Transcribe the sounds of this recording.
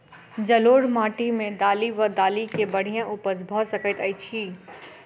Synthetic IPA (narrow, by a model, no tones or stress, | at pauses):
d͡ʒəloːɽmaːʈimẽd̪aːliʋəd̪aːlikebɐɽ̤ijãʔuːpəsbʱɔsəkət̪əit͡ʃʰiː